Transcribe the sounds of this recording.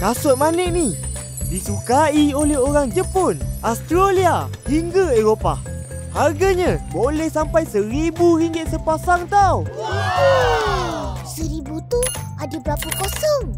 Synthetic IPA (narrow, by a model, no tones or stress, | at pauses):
kasʊt̪̚manɛʔ̚ni | disukaiolɛɦoɾaŋd͡ʒəpʊnast̪ɾoliahiŋɡaeɾopa̰ | harɡaɲãbolɛhsampajsəɾibuɾiŋɡɪt̪̚səpasaŋt̪aw | səɾibut̪u | adabəɾapakosɔŋ